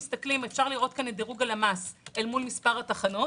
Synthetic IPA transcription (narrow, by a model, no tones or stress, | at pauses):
st̪aklimefʃaʁliʁo̞t̪̚kaned̪eʁuɡalamaselmulmispaʁataχano̞